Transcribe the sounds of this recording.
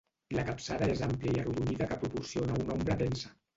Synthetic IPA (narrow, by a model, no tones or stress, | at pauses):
ilakapsaðaezampliaiaruðuniðakəpɾupuɾsionaunɔmbɾəpɛnsḁ